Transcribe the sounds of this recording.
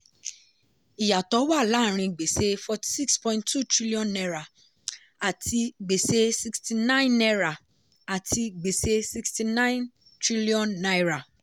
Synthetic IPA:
i˨ja˨tɔ˨˦wa˦˨la˨˦ɾ̃ĩ˧ɡ͡be˨se˦fɔ˧ti̥˨si˦kspɔ̃˧ĩnttːu˦˨tɾi˦li˦ɔ̃˨nːɛ˧ɾa˨ | a˨tʰi˧ɡ͡be˨se˦si˧ksti˧nã˦ĩ˦˨nɛ˧ɾa˨ | a˨tʰi˧ɡ͡be˨se˧si˧ksti˧nã˦ĩ˦n | tɾi˦li˦ɔ̃˦nːa˦jɾa˨

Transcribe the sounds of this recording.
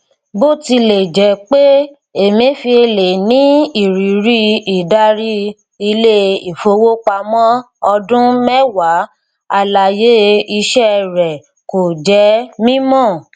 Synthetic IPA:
bo˦ti˧le˨d͡ʒɛ˨˦k͡pe˦ | e˨mĩ˨˦fi˧e˧le˨nĩ˨˦i˦˨ɾi˨ɾi˦i˨da˧ɾi˦ | i˧le˦i˨fo˧wo˦k͡pa˧mɔ̃˦ | ɔ˧dũ˦mɛ˦wa˨˦ | a˦˨la˨je˦i˧ʃɛ˦ɾɛ˨ | ko˨d͡ʒɛ˨˦mĩ˦mɔ̃˦˨

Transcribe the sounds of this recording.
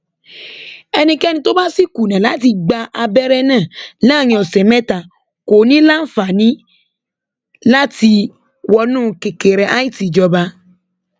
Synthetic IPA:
ɛ˧nĩ˧kɛ˦nĩ˧to˦ba˦si˦ku˨nɛ̃˨la˨˦ti˧ɡ͡ba˧ʔa˧bɛ˦ɾɛ˦nãː˦˨nãː˦˨ɲ̃ĩ˧ɔ˨sɛ˨mɛ̃˦ta˨ | ko˨˦nĩ˦la˦n̩˦˨fa˨nĩ˦ | la˦ti˧ | wɔ˧nũː˦˨˧ke˨ke˨ɾɛ˨ʔa˦i˦ti˨d͡ʒɔ˧ba˧

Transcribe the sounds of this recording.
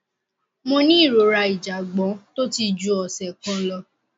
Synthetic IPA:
mɔ̃˧nĩ˦˨ɾo˨ɾa˧i˨d͡ʒa˨ɡ͡bɔ̃˨˦to˦ti˧d͡ʒu˧˦ɔ˨sɛ˨kɔ̃˦lɔ˧

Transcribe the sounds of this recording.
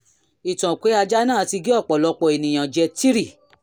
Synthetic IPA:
i˨tã˨kʷe˨˦a˧d͡ʒa˦nãː˦˨ti˧ɡe˦ɔ˦˨k͡pɔ˨lɔ˨˧k͡pɔ˨e˨nĩ˨j̃ã˨d͡ʒɛ˧ti˦ɾi˦˨

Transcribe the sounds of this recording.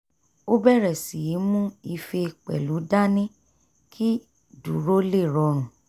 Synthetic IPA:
o˦bɛ˦˨ɾɛ˨si˨ji˨˦mũ˦i˧fe˧k͡pɛ̰˨lu˨˦da˦nĩ˦ | kʰi˦ | du˨ɾo˦le˦˨ɾɔ˧ɾ̃ũ˨

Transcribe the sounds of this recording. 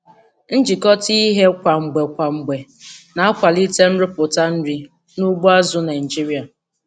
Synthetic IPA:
n̩˦d͡ʒi˨kɔ˦ti˦i˦ɦe˦kʷa˨ŋ͡m̩˨ɡ͡be˨kʷa˨ŋ͡m̩˨ɡ͡be˨ | na˨a˦kʷa˨li˦te˦m̩˦ɾɪ˦pʊ˨ta˦n̩˦ɾi˦ | nu˦ɡ͡bu˦a˦zʊ˦na˨i˨d͡ʒi˦ɾi˦a˨

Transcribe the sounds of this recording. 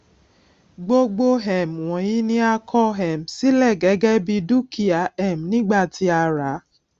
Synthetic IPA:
ɡ͡bo˦ɡ͡bo˦ɦɛ˨m̩˨wɔ̃˨ji˦nĩ˦a˦kʰɔ˦ɦɛ˨m̩˨si˦lɛ˦˨ɡe˨˦ɡɛ˦bi˧du˦kʰi˨a˨˦ɛ˨m̩˨nĩ˦ɡ͡ba˦˨ti˧a˧ɾa˨˦

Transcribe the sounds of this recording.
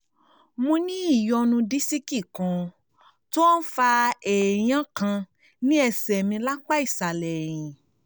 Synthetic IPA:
mũ˧nĩ˦i˦˨jɔ˧nũ˧di˦si˦ki˦˨kã˨˧ | to˦ɔ˦n̩˦fa˧ɛ˨j̃ã˨˦kã˧ | nĩ˦ɛ˧sɛ˨mĩ˧la˦k͡pa˦i˦˨sa˨lɛ˨j̃ĩ˨

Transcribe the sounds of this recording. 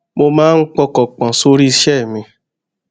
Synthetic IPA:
mo˧mãː˦˧n̩˦k͡pɔ˧kɔ˨k͡pã˨so˧ɾi˦˧ʃɛ˦˨mĩ˧

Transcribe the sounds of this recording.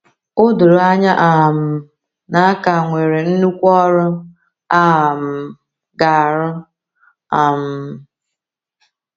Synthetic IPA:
o˦dʊ˨ɾʊ˨˦a˦ɲa˦ʔa˨m̩˨ | na˨a˦ka˨ŋʷe˨ɾe˨n̩˦nu˦kʷɔ˦ɾʊ˦ | a˦˨m̩˨ | ɡa˨ɾʊ˦ | a˨m̩˨

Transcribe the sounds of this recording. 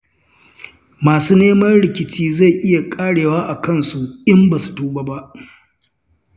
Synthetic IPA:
maː˨suː˦neː˦mɐ˦nɽɪ˨kʲɪ˨t͡ʃiː˦za˦˨jʔɪ˦ja˨kʼaː˦ɽeː˨waː˦ʔa˨kɐ˦nsu˨ʔɪ˦mbaː˨su̥˨tuː˦ba˦ba˦ʔ

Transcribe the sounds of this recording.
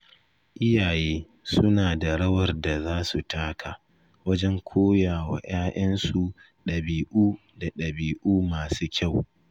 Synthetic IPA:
ʔɪ˦jaː˨jeː˦ | sʊ˦naː˨da˨ɽɐ˦wɐ˨rda˨zaː˦su˨taː˦kʰa˨ | wɐ˦d͡ʒɛ˦ŋkʷʰoː˦jaː˨wa̰˨j̰aː˦ʔɐ˦nsu˨ | ɗɐ˨biː˨ʔuː˦ | da˨ɗɐ˨biː˨ʔuː˦maː˨suː˦kʲa˦˨w

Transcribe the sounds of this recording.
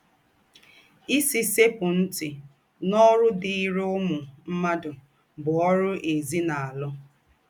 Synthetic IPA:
i˦si˦se˦pʊ˨n̩˦tɪ˨ | nɔ˦ɾʊ˦dɪ˨i˦ɾe˦ʊ˦mʊ˨m̩˦ma˦dʊ˨ | bʊ˨ɔ˦ɾʊ˦ʔe˨zi˦na˨a˨lɔ˦

